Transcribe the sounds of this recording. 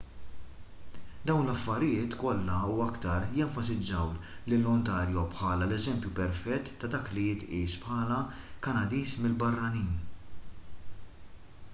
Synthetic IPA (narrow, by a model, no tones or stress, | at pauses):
d̪ɐwnlɐfːɐɾɪjɪːt̪kɔlːɐuːɐkt̪ɐɾjɛɱfɐsɪd͡ʒːɐwlɪlːɔnt̪ɐːɾjɔpħɐːlɐlɛzɛmpjupɛɾfɛt̪ːɐd̪ɐːklijɪt̪ʔiːspħɐːlɐ | kɐnɐd̪iːsmɪlbɐrːɐniːn